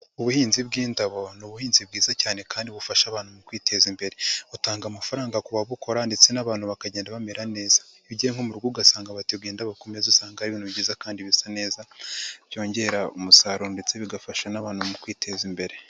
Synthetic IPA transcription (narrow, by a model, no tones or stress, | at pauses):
uβuhiːnzibɡiːndaβo̞nuβuhiːnzib̚ɡiːzacaːne̞kaːndiβufaʃaβaːnhumukwiːte̞zimbe̞ɾe̞utaːŋɡamafaɾaːŋɡakuβaβuko̞ɾandet͡se̞naβaːnhuβakaɟe̞ːndaβame̞ɾane̞ːzḁiβiɟeeŋ̥homuɾɡuːɡasaːŋɡaβatiɡiːndaβakomezusaːŋɡahaɾiβiːnuβiɟizakaːndiβisane̞ːzavjo̞ːɲɟe̞ɾaumusaɾondet͡seβiɡafaʃanaβaːnumukwiːtʰe̞zimbe̞ɾe